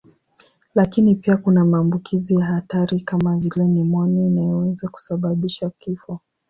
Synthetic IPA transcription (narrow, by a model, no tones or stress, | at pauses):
lakinipiakunamaːmbukizijahataɾikamavilɛnimɔɲainajɔwɛzaku̥saɓaɓiʃakifɔ